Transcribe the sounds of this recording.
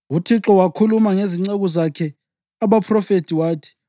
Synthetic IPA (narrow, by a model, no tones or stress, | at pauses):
utʰiǁɔwakʰulumaŋeziŋ͡ǀeɣuzakʰɛ | aβapʰrɔfetʰiwaːtʰi̥